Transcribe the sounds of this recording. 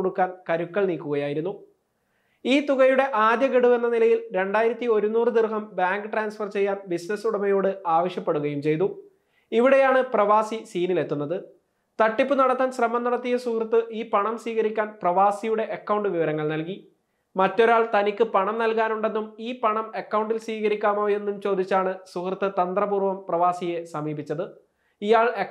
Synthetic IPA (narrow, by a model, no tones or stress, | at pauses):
oɽukːaːnkɐɾukːɐɭniːkːuɣɐjaːjiɾunːu | iːt̪uɣɐjuɽe̞ʔaːd̪jɐɡeɽuʋe̞nːɐnilɐjilɾe̞ɳɖaːjiɾɐt̪ːio̞ɾunːuːrɨd̪irɦɐmbaːŋɡɨʈraːnsfɐrt͡ɕe̞jːaːnbisnɐsuɽɐmɐjo̞ːɽɨaːʋɐɕjɐpːe̞ɽuɣɐjumt͡ɕe̞jnu | iʋiɽe̞jaːɳɨprɐʋaːsisiːnile̞t̪ːunːɐðɨ | t̪ɐʈːipːɨnɐɽɐt̪ːaːnɕrɐmɐnːɐɽɐt̪ːijɐsukrɨt̪ːɨʔiːpɐɳɐmsʋiːɣɐɾikʲːaːnprɐʋaːsijuɽe̞ʔɐkːɐwɳɖɨʋiʋɐɾɐŋːɐɭnɐlki | mɐtːo̞ɾaːɭt̪ɐnikʲːɨpɐɳɐmnɐlkaːnuɳɖe̞nːumiːpɐɳɐmekːɐwɳɖilsʋiːɣɐɾikʲːaːmo̞ːje̞nːumt͡ɕo̞ːd̪it͡ɕːaːɳɨsukrɨt̪ːɨt̪ɐnd̪rɐbuːrʋɐmprɐʋaːsijesɐmiːbit͡ɕːɐðɨ | ijaːɭe